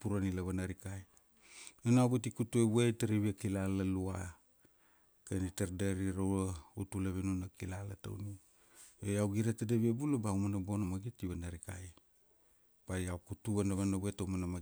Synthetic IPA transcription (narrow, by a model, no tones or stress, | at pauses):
puɾanilaβanaɾikaj | enawɡutikutueβwetaɾiβiakilalalua | kenitaɾdeɾiɾowɾautulaβinunakilalata̰wni | ojawɡiɾatadeβiebulabaumanabo̞namaɡitiβanaɾika̰j | b̥ajawkutuβanaβanaβwetaumanama